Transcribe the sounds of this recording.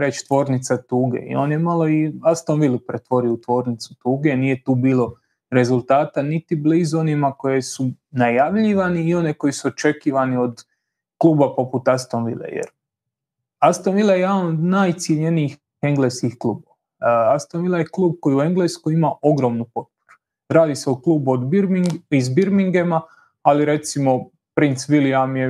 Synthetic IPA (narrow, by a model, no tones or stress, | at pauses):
ɾe̞t͡ɕt̪ʋo̞ːɾnit̪sat̪uːɡḛḭo̞ːnjemalˠo̞iast̪onʋilˠupɾet̪ʋo̞ɾiot̪ʋo̞ːɾnit̪su̥t̪uːɡenije̞t̪uːbiːlˠo̞ | ɾe̞zulˠt̪aːt̪anit̪iblizo̞nimako̞jesu | najaʋʎiʋaniːo̞neko̞jisuot͡ʃe̞kiːʋanio̞d̪ | klˠuːbapo̞put̪ast̪onʋḭlḛjḛɾ | ast̪onʋilˠajeed̪anod̪naːjt̪sjeʎeniːx | e̞ŋɡleskixklˠuːboʋa | ast̪onʋilajeklˠuːb̚ko̞jiue̞ŋɡleskoimao̞ɡɾo̞ːmnupo̞t̪̚po̥ɾu̥ | ɾaːd̪iseuklˠuːbuod̪biɾmiizbiɾmiŋɡema | aliɾe̞t̪simo̞ | pɾint̪sʋiliamje